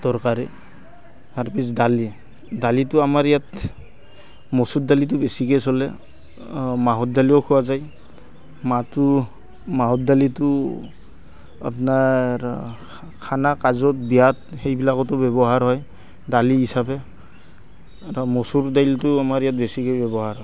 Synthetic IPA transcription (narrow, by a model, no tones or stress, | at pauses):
dɔɹkaɾi | aɹpis̬dali | dalitʊamaɹijat | mɔsut̚dalit̬ʊbesikesɔlɛ | maɦɔt̚daliɔkʰuwazaj | matʊ | maɦɔt̚dalitʊ | a̰pnaɹ | kʰanakazɔt̚bijatxejbilakɔtʊbɛbɔɦaɹɦɔj | daliɦisabɛ | aɹɔmɔsuɾdajltʊamaɹijat̚besikɔjbɛbɔɦaɹɦɔj